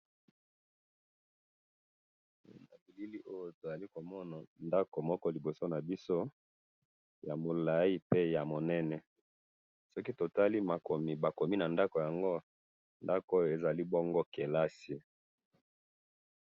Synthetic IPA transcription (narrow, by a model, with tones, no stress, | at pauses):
na˨bi˨li˦li˦ʔo˦jo˦to˨za˨li˦ko˨mɔ˦na˨nda˦ko˨mɔ˦kɔ˦li˨bo˨so˦na˨bi˦so˦ | ja˨mo˨la˨i˦pe˦ja˨mo˨nɛ˦nɛ˨ | sɔ˦ki˦to˨ta˦li˦ma˨ko˨mi˨ba˨ko˨mi˦na˨nda˦ko˨ja˨ŋɡo˦ | nda˦ko˦jo˦˨e˨za˨li˦bɔ˦ŋɡo˦ke˨la˦si˨